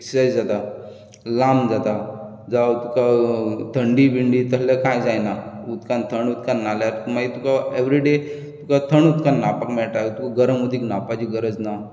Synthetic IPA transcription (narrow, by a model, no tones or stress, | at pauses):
ekssajd͡zd͡zat̪a | lamd͡zat̪a | d͡zawt̪ukat̪ʰəɳɖibiɳɖit̪əsləkãjd͡zajnaut̪kant̪ʰəɳut̪kanːaljaɾmait̪ukaeʋɾiɖe | t̪ukat̪ʰəɳut̪kanːapakmɛɭʈ̪at̪ukaɡəɾəmud̪ʱiːknapat͡ɕiɡəɾəd͡zna